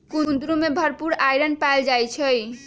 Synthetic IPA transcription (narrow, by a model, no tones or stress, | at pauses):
kund̪ɾumebʱəɾpuɾajɾənpajld͡ʒajt͡ʃʰəj